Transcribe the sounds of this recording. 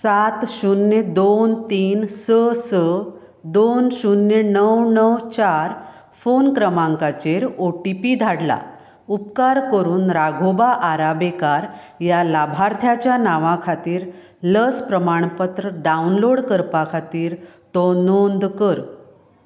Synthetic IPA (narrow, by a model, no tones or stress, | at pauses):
sat̪ɕunjed̪ont̪iːnsəsə | d̪onɕunːjenəwnəwt͡ɕaɾ | fonkɾəmãŋkat͡ɕeɾoʈipid̪ʱaɽla̰ | upkaɾkəɾuːnɾaɡʱobaʔaɾabekaɾ | jalabʱaɾt̪ʰjat͡ɕjanaʋãkʰat̪iːɾ | ləspɾəmaɳ̃pət̪ɾəɖaunloɽkəɾpakʰat̪iːɾt̪onond̪kəɾ